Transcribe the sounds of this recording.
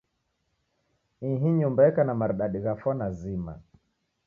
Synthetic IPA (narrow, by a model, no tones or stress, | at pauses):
ĩɦiɲumbaɛkanamaɾɗaɗiɣafɔnazima̰